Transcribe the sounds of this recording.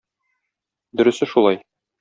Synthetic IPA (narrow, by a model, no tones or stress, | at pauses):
d̪ɵ̆ɾɵ̆sɘʃulˠɑj